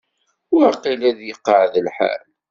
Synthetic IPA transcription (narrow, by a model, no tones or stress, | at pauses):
wəɾqilæðjəqːəʕðəlħa̰l